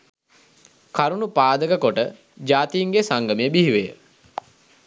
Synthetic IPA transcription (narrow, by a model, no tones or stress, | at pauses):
kaɾunupaːd̪əkəkoʈə | d͡ʒaːt̪ijiŋɡesaŋɡəmijəbiɦiʋejə